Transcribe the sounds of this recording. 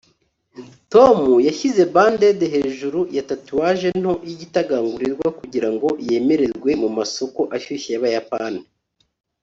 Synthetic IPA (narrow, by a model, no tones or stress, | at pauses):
to̞mujaçize̞baːndedeɦe̞ːʒuɾujatatuwaːʒe̞n̥ho̞iɟitaɡaːŋɡuɾiɾɡwakuɟiɾaŋɡo̞je̞me̞ɾe̞ɾɡwe̞mumaso̞ko̞ʔaʃuçijaβajapanii